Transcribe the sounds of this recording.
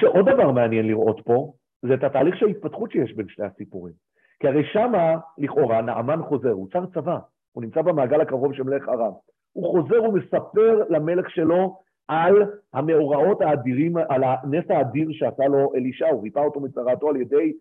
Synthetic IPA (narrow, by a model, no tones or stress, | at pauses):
ʃeʔo̞d̚avaʁmeanjenliʁʔo̞tpo̞ | zethataːliχʃeait̪̚patχutt͡ʃʃejeʃbe̞nʃnehasipuʁim | kiaʁejʃamaliχo̞ʁanaʔa̰manχo̞ze̞ʁut͡saʁt͡sava | unimt͡sabemaːɡalakaʁo̞vʃemleχaʁam | uχo̞ze̞ʁume̞sape̞ʁlame̞le̞χʃe̞lo̞ | ʔalhame̞oʁao̞thaːdiʁimalanesaːdiʁʃeasalo̞ʔe̞liʃauʁipao̞t̪o̞mit͡saʁatoalje̞de̞j